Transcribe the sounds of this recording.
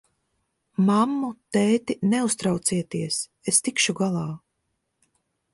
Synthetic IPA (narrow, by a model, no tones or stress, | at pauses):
mamːut̪ɛːt̪inɛust̪ɾawt̪siɛt̪iɛs | est̪ikʃuɡalˠɑː